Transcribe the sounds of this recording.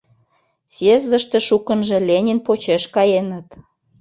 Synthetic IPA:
sezəʃt̪ĕʃukə̆nʒĕlʲenʲinpot͡ɕeʃkɑjenət̪

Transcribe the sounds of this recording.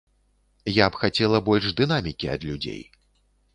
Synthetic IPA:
japxat͡sʲɛlˠɐbɔlʲʂd̪ɨn̪amʲikʲiɐ̰d̪lʲud͡zʲḛj

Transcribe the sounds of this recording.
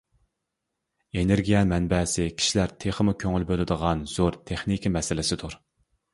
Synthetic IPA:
eneɾɡʲijɛmɛnbɛsɪkʲʰi̥ʃilæɾt̪ʰeχəmukʲʰøŋylbølɪd̪əʁɑnz̥oɾt̪ʰeχnikʲimɛsɪlɪsɪd̪uɾ

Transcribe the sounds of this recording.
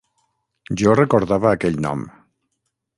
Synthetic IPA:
ʒɔrəkoɾðaβəːkɛʎnɔ̰m

